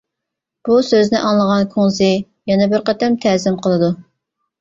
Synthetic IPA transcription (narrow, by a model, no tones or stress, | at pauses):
b̥usøznɪʔɑŋlˠəʁɑnkʰoŋzɨ | jɛnɛbɪɾqɛt̪ʰɛmt̪ʰɛːzɪmqʰəlˠɨd̪u